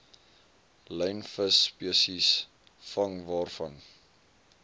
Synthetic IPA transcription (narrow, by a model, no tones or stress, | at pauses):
ləjnfəspiəsis | fɐŋvɑːrfɐn